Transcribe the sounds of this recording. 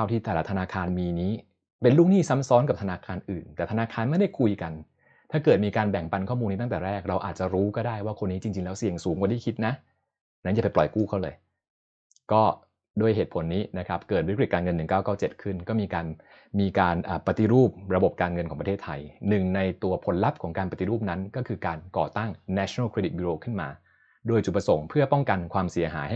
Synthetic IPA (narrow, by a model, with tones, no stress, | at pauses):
aː˥˩wt̪ʰiː˥˩t̪ɛ˨˩la˦˥t̪ʰa˧naː˧kʰaː˧nmiː˧niː˦˥ | pe˧nlu˥˩k̚niː˥˩sa˦˥msɔː˦˥nka˨˩p̚t̪ʰa˧naː˧kʰaː˧nʔɯː˨˩nt̪ɛː˨˩t̪ʰnaː˧kʰaː˧nma˥˩jda˥˩jkʰu˧jka˧n | t̪ʰaː˥˩kɤː˨˩t̪̚miː˧kaː˧nbɛ˨˩ŋpa˧nkʰɔː˥˩mu˧nːiː˦˥˩ŋt̪ɛː˨˩ɾɛː˥˩k̚ɾa˧wʔa̰ː˨˩t̪̚t͡ɕa˨˩ɾuː˦˥kɔː˥˩daː˥˩jwaː˥˩kʰo˧nːiː˦˥t͡ɕi˧ŋt͡ɕi˧ŋlɛː˦˥wsi˨˩əŋsuː˩˦ŋwa˨˧˦da˥˩kʰi˦˥t̪̚na˦˥ʔ | na˦˥nja˨˩pa˧jplɔ˨˩jkuː˥˩kʰa˥˩wlɤ̰ː˧j | kɔː˥˩ | duː˥˩əjɦeː˨˩t̪̚pʰo˩˦nːiː˦˥na˦˥kʰa˦˥p̚kɤː˨˩wi˦˥k̬̚ɾi˨˩t̚kaː˧ŋɤ˧nːɯ˨˩ŋkaː˥˩wkaː˥˩wt͡ɕe˨˩t̪̚kʰɯ˥˩nkɔː˥˩miː˧kaː˧n | miː˧kaː˧nʔaː˨˩pa˧t̪i˧˦ɾuː˥˩p̚ɾa˧bo˨˩p̚kaː˧nŋɤ˧nkʰɔː˩˦pɾtʰeː˥˩t̪ʰːa˧jnɯ˨˩ŋna˧jt̪u˧ɐpʰo˩˦nla˦˥p̚kʰɔː˩˦ŋkaː˧npa˧t̪i˧ɾuː˥˩p̚na˦˥nkɔː˥˩kʰɯː˧kaː˧nkɔ̰ː˨˩t̪a˥˩ŋːɛ˦˥t͡ɕʰo˧naː˥˩kʰɾeː˧di˨˩t̪̚juː˧ɾoː˧kʰɯ˥˩nmaː˧ | doː˧jt͡ɕu˨˩t̚pɾa˧so˩˦ŋpʰɯ˥˩ɐpɔ˥˩ŋka˧nkʰwaː˧msi˨˩˦ɐɦaː˩˦ja˥